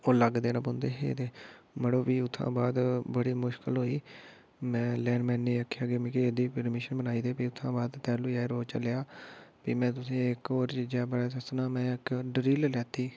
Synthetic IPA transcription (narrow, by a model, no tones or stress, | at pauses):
oːləɡd̪eːnãːpõːnd̪eːɦḛːt̪eːməɽoːpiːʊt̪ʰːã̰ːbaːd̪bəɽiːmʊʃkəlɦoːiː | mɛ̃ːlɛːnmɛ̃ːneːəkʰːjaːɡemɪkiːed̪iːpəɾmɪʃənbənaːiːd̪eːpiːʊt̪ʰːãːbaːd̪t̪ɛːluːaːeɾoːt͡ʃəljaːpiːmɛ̃ːt̪̬ʊsĩːɪkoːɾt͡ʃiːd͡ʒaːbəɽaːsəsnaːmɛ̃ːɪkɖɾiːllɛːt̪iː